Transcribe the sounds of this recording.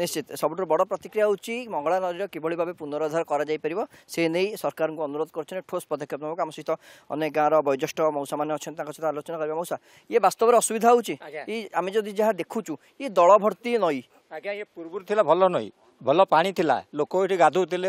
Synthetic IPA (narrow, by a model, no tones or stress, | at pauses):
nist͡ʃit̪sɔbʱuʈɾubɔɽɔpɾɔt̪ikɾijaut͡ʃʰimɔŋɡɔɭanɔɾiɾɔkebɔɭibʱabepunɔɾɔd̪ʱaɾɔkɔɾad͡ʒajpaɾibɔsenejsɔɾkaɾɔŋkuɔnuɾod̪ʱɔkɔɾut͡ʃʰɔneʈʰospɔd̪ʱɔkʰːjɔpnabɔkuamɔsɔit̪ɔɔ̰nek̚ɡãɾɔbɔjd͡ʒɔsʈɔmɔwsamaneɔt͡ʃʰɔnt̪t̪ãkɔt͡ʃʰet̪ʰɔalot͡ʃɔnakɔɾibɔmɔwsa | ebast̪ɔbɔɾeɔsubid̪ʱaɔwt͡ʃʰiiamed͡ʒɔd̪ʱid͡ʒaɦad̪ekʰũt͡ʃʰu | ed̪ɔɭɔbʱɔɽt̪inɔj | ɡaepuɾbuɾt̪ʰilabʱɔlɔnɔj̰ | bʱɔlɔpaɽ̃it̪ʰila̰lokɔiʈiɡad̪ʱut̪ile